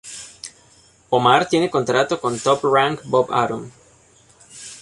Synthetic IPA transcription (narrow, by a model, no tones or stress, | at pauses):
omaɾt̪je̞neko̞nt̪ɾat̪oko̞nt̪opraŋkbopa̰ɾum